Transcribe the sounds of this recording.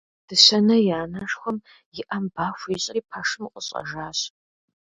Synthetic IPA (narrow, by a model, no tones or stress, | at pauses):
d̥ɨsɐnɐjaːnɐʂxʷɔm | jɪʔɐmbaːxʷiɕʼɪiːpʰaʂɨmqʼəɕʼɐ̰ʒaːɕ